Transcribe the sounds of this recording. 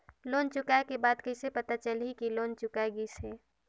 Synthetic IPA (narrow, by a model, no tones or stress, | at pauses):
loːnt͡ʃʊkaekebaːd̪kəɪsepət̪at͡ʃəlɦikiloːnt͡ʃʊkaeɡise